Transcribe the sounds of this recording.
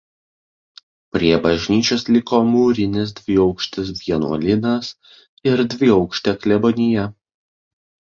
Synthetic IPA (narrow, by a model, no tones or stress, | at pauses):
pʲɾʲiɛbɐʒʲnʲiːt͡ʃʲoːslʲɪkoːmuːɾʲɪnʲɪs̬d̪ʲʋʲɪɒʊkʃʲt̪ʲɪsʋʲiɛnṵɔlʲɪnɐs | ɪɾd̪ʲʋʲɪɒʊkʃʲt̪ʲɛklʲɛbɔnʲɪjɛ